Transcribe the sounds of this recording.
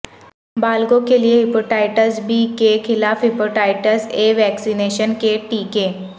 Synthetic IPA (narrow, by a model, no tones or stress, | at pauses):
baːlɡõkelieɦɪpoːʈaːɪʈəzbiːkekʰɪlaːfɦɪpoːʈaːɪʈəzeːʋɛːksineːʃənkeʈiːkẽː